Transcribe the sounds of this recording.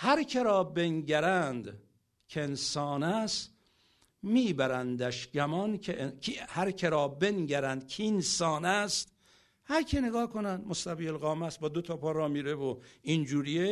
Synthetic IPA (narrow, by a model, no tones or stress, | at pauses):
hæɾkʰeɾɒːbe̞ŋɟæɾænd̪ | kʰeensɒːnæst̪ | miːbæɾænd̪æʃɟæmɒnkʰeʔkʰihæɾkʰeɾɒːbe̞ŋɟæɾænd̪̥̚kʰinsɒːnæst̪ | hæɾkʰeneɡɒːkonænd̪most̪æbiːlɣɒːmæsbɒːd̪ot̪ʰɒːpʰɒːɾɒːmiːɾevoind͡ʒuːɾije